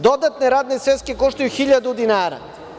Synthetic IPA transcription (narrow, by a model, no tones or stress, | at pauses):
d̪od̪at̪nɛɾad̪nisvɛt̪skikoʃt̪ajuxiʎad̪ud̪inaːɾa̰